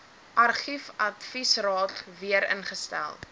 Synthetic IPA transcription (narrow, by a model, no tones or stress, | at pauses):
ʔɐrχifɐtfisrɑːtviəɾə̰nχəstæ̰lˠ